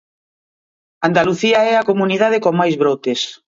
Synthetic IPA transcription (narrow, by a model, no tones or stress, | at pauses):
and̪aluθiaɛakomuniðað̞ekoŋmajzβɾot̪es